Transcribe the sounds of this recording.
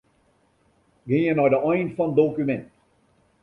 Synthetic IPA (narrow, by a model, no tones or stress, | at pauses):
ɡɪjənɔjdəɔjnfɑnədoːkymɛnt